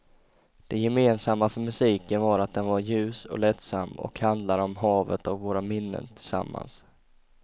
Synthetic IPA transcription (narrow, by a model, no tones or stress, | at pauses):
d̪̥ɛjɛmeːnsamːafœɾmɵsiːkənvaɾat̪̚d̪ɛnvaɾjʉ̟ːsɔ̰lɛt̪samːɔ̰khand̪laɾɔmɦɑːvə̰t̪avvoːɾamɪnːə̰nt̪ʰɪlsa̰mːa̰ns